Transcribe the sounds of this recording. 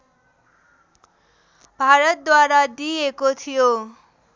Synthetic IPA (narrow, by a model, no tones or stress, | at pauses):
bʱaɾʌt̪̚d̪waɾad̪iekot̪ʰijo